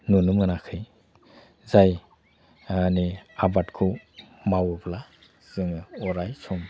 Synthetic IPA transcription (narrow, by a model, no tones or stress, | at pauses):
nunumɯnakʰɯj | zaj | aniabatkʰɯmawɯbla | z̥ɯŋɯɔɾajsɔm